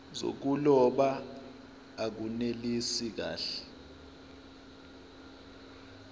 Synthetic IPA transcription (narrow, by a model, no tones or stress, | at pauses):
zo̰k̬ulɔɓaː | k̬unelisik̬a̰ːɬɛ̥